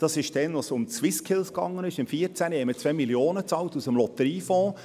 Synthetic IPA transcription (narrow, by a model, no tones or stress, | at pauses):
d̥ɑsɪʃd̥ɛnʋosʊmt͡swɪskʰɪlskɑ̰ŋːənɪʃɪmfiːəɾt͡sænhɛmət͡sʋɛɪmiljoːnət͡sɑltusəmlɔt̪əɾiːfɔ̃ː